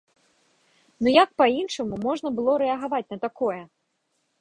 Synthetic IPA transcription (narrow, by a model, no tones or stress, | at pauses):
nujak̚painʂɐmumɔʐnɐbɨlˠɔɾɛɐɣavat͡sʲnɐt̪akɔjɛ